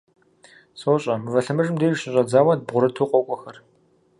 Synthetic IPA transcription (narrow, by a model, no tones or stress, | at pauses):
soːɕʼɐmɨvɐɬɨmɨʐɨmdeːɕɪɕʼɐd͡zaːwɐd̚bʁʷʊɾɨtʰuːqʷʼɔkʷʼɔxɐr